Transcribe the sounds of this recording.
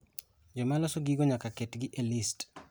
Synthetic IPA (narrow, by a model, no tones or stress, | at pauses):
d͡ʒɔmalɔsɔɡiɡɔɲakaketɡɪʔelist